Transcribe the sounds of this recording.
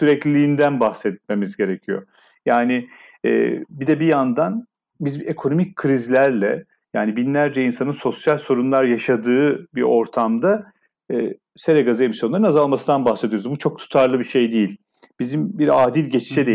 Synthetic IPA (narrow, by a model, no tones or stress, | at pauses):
syɾɛclʲiiːnd̪ænbaxsɛt̪̚me̞mizɟe̞ɾecʰijo̞̰ | jaːnɪ | ɛ̰ːbid̪ɛbijand̪an | bizekʰo̞no̞mic̚kʰɾizlʲæɾlʲɛ̰ | jaːnibinlʲæɾd͡ʒɛinsanɯnso̞sjalʲso̞ɾunlˠaɾjaʃad̪ɯːbio̞ɾt̪ʰamd̪a | se̞ɾeɡazɯe̞misjonːˠaɾɯnazalˠmasɯnd̪anbaxsed̪ijoɾuzbut͡ʃʰo̞k̚t̪ʰu̥t̪ʰaɾlˠɯbiʃe̞jd̪ejilʲ | b̥izimbiɾaːd̪ilʲɟɛt͡ʃʰi̥ʃʰɛd̪e